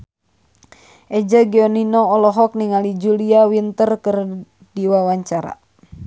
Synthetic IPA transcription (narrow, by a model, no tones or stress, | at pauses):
ʔed͡ʒaɡiɔninɔːlɔɦɔk̚niŋalid͡ʒuliawint̪ərkər | d̥iwawaɲt͡ʃaɾa̰